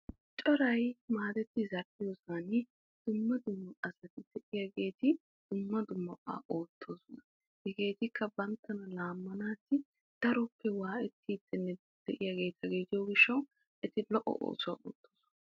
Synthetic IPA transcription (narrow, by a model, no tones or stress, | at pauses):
t͡ʃʼɔɾɐjmaːd̪ɛt̪ːɪzɐɾpːɪjoːsan | d̪̥ʊmːɐd̪ʊmːɐʔɐsɐt̪ɪd̪̥ɛʔɪjɐɡe̞ːt̪ɪ | d̪̥ʊmːɐd̪ʊmːɐpːa̰ːʔoːt̪ʰːo̞ːsɔnɐ | hɛɡe̞ːt̪ɪkʰːɐbɐnt̪ːɐnɐlaːmːɐnaːt̪ːɪ | d̪̥ɐɾɔpːɛwaːʔɛt̪ːiːt̪ːɛnːɛd̪ | d̪̥ɛʔɪjaɡe̞ːt̪ɐɡid͡ʒɐwɡɪʃːɐw | ʔɛt̪ɪlɔʔɔ̰ʔo̰ːsʊwa̰ʔo̰ːt̪ːoːsʊnɐ